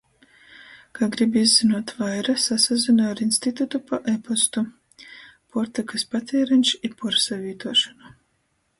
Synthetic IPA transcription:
kʰaɡɾibizːinuɔt̪vajɾasasazinaaɾinst̪it̪ut̪upaʔepɔst̪u | pɔɾt̪akɨspat̪ʲiːɾɛnʲʃipɔɾsavʲiːt̪uɔʃɔnu

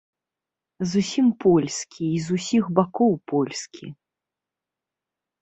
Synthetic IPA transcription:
zusʲimpɔlʲskʲʰiːzusʲixbakɔwpɔlʲskʲʰḭ

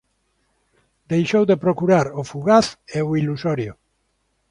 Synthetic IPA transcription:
d̪ejʃowðepɾokuɾaɾofuɣaθeoilusɔɾjo

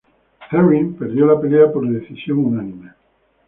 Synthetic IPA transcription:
θeɾimpeɾðjo̞lape̞leapo̞ɾðeθisjo̞ŋunanĩme

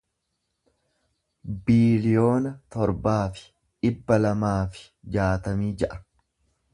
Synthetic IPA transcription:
biːlɪjo̞ːnɐt̪ɔɾbaːfɪ̥ | ʔɪbːɐlɐmaːfɪ̥ | d͡ʒaːt̪ɐmiːd͡ʒɐʔɐ̥

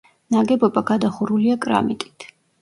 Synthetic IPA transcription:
naɡɛbɔbaɡad̪aχuɾuliakʼɾa̰mit̪ʼi̥t̪ʰ

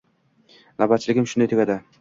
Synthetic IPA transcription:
nabat̪̚t͡ʃʰːɪlɪɡʲɪmʃʊnd̪ajt̪ʊɡʲad̪ɪ

